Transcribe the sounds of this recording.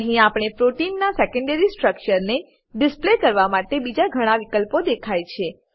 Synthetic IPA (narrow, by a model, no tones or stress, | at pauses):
əɦĩapɽ̃epɾoʈinːasekə̃ɳɖeɾisʈɾəkt͡ʃəɾne | ɖɪsplekəɾʋamaʈebid͡ʒaɡʱəɽ̃ãʋikəlpod̪ekʰajt͡ʃʰe